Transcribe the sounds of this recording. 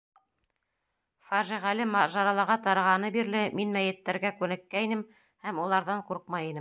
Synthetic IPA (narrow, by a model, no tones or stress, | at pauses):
fɑʒiʁælɘmɑʒɑɾɑlˠɑʁɑt̪ɑɾɑʁɑnɤbiɾlɘminmæjɘ̆t̪ːæɾɡækʉnɘ̆kːæinɘm | hæmulˠɑɾðɑɴquɾq̚mɑjinɘm